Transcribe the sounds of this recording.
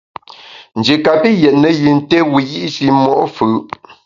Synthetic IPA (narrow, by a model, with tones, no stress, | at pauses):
n̩˨d͡ʒe˨ka˨pi˦jɛ˨ʔ̚nə˨ji˨n̩˦te˦wi˨ji˦ʔʃi˨mɔ˦ʔfʉ˨